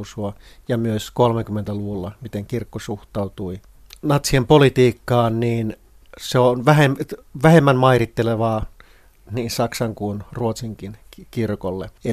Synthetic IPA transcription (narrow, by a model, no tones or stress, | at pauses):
suɑjɑmyøskolmekymːent̪æluʋulːɑmit̪eŋkirkːosuxt̪ɑut̪ui | nɑt̪siempolit̪iːkːɑːnniːn | seonʋæhemʋæhemːænmɑirit̪ːeleʋɑː | niːnsɑksɑŋkunruot̪siŋkinkirkolːḛe